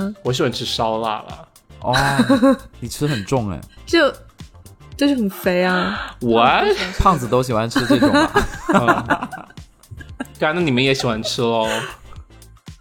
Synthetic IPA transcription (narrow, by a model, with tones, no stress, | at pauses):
wɔ˧˩ɕi˨˩wa˧˥nʈ͡ʂʰɻ̩˥ʂɑ˥ʊla̰˥˩lə̰˩ | ʔɔ˧˩ | ni˨˩ʈ͡ʂʰɻ̩˥xə˨˩nʈ͡ʂʊ˥˩ŋɛ̰˧˩t͡ɕo˥˩ʊ | t͡ɕo˥˧ʊʂɻ̩˥˩xə˨˩nfe˧˥ɪa˧wa˦pʰɑ˥˩ŋd͡zɹ̩˨t̪̬o˥ʊɕ̬i˨˩wa˧˥nʈ͡ʂ̩ʰ˥ʈ͡ʂʊ˨ŋɐ̰˧˦˧ | ka˨˧˥na˥˩ni˨˩mə˦njɛ˧˥ɕi˨˩xwa˧˥nʈ͡ʂ̩ʰ˥lə˨˧